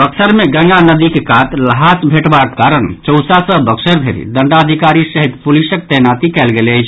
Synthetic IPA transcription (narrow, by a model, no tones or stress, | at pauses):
bəksəɾmeɡə̃ŋɡanəd̪ikekat̪ləɦasbʱeʈbakekaɾənt͡ʃəwsasə̃bəksəɾbʱeɾḭd̪əɳɖaəd̪ʱikaɾisəɦit̪pulisək̚t̪ənat̪ikɛlɡelət͡ʃʰ